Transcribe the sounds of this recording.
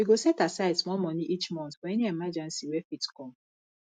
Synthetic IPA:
wiɡosɛtasaɪdsmɔlmɔniʔit͡ʃmɔ̃nθfɔɛniɛmad͡ʒɛ̃nsiwɛfitkɔ̃m

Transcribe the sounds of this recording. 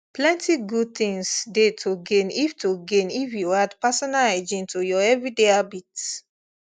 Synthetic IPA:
plɛ̃ntiɡud̚t̪ĩŋsdetʰoɡẽniftuɡẽnifjuadpasɔnalad͡ʒĩntojɔɛvɹideabit

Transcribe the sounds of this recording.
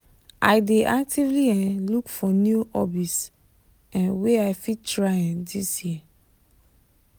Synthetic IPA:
ʔaɪdeʔak̚tʰivliɛ̃nlukfɔnjuʔɔbis | ɛ̃nweaɪfitɹaɛ̃ndisji

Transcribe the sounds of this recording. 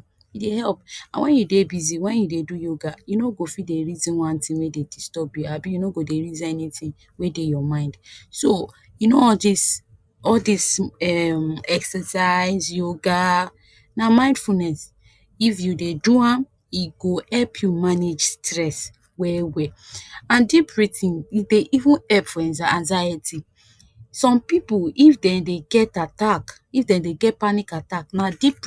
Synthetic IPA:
jidehɛlpã̰wɛ̃njudebiziwɛ̃njudedujoɡajunoɡofideɹizĩnwãntĩwededistɔbjuabijunoɡodeɹizɛnitĩn | wedejɔmãɪ̃ndso | junoɔdis | ɔldisɛmɛksəsaɪzjoɡa | namãɪ̃ndfunɛs | ifjudeduãm | iɡoɛlpʰjumaned͡ʒstɹɛs | wɛwɛãndipɹitĩnideʔivũnɛlpfɔɛ̃nzaãnzajəti | sɔ̃mpipuifdɛ̃ndeɡɛtatak | ifdɛ̃ndeɡɛt̚panikataknadip

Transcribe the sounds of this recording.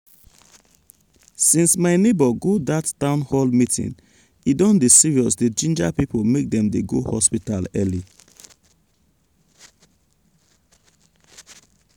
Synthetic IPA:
sĩnsmaɪnebɔɡodattãʊ̃nhɔlmitʰḭ̃n | idɔ̃ndesiɹiɔsded͡ʒĩnd͡ʒapipomek̚dɛ̃mdeɡohɔspitalɛli

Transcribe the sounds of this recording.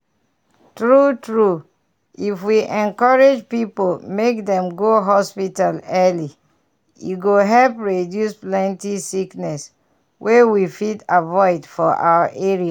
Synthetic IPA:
tɹutɹu | ifwiʔɛ̃nkɔɹed͡ʒpipolmek̚dɛ̃mɡoɦɔspitalɛli | jṵɡoɦɛlpɹedjusplɛ̃ntisiknɛs | wʔewifidavɔɪdfɔʔa̰waʔeɹia

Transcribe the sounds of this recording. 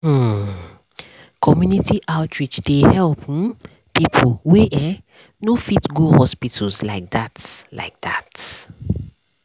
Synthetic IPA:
kʰɔmjunitiʔaʊtʰɹit͡ʃdehɛlp | pipʰolwɛʔɛ | nofitɡuhɔspitʰəlzlaɪk̚d̪atla̰ɪk̚d̪at

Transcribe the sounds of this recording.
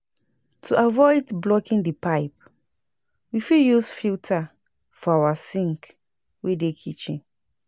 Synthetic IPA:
tʰuʔavɔɪdblɔkĩndipaɪp | wifiljusfiltʰa | fɔawasĩŋk | wedekʰit͡ʃḭ̃n

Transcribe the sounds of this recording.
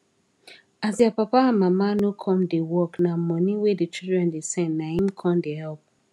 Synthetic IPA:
azjapapaãnmamanokʰɔ̃mdewɔknamɔ̃niwedit͡ʃildɹɛ̃ndesɛ̃nːnahĩmkʰɔ̃ndehɛlp̚

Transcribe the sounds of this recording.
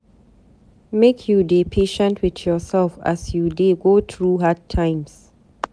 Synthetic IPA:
mekʰjudepʰeʃə̃ntʰwɪθjɔsɛlfa̰sjudeɡoθɹuɦad̚tʰãɪ̃ms

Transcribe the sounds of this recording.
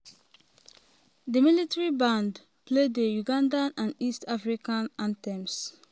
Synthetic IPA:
dəmilitaɹibãnd | pledəjuɡãndaʔãndistafɹikãnãntɛ̃ms

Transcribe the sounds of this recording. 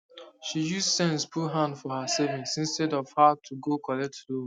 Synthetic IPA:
ʃijussɛ̃nspʰuɦãndfɔhasevĩŋsĩnstɛdɔv̥hatʰuɡokʰɔlɛtlu

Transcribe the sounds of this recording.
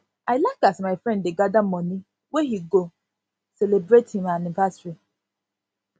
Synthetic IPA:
ʔaɪlakasmaɪfɾɛ̃nddeɡadamɔni | weɦiɡo | selebɾethĩmanɪvasɹi

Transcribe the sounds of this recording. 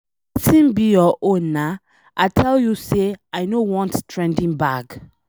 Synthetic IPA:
sĩmbijɔʔõnːa | ʔatʰɛljuseajnowɔ̃nttʰɹɛ̃ndĩnbaɡ

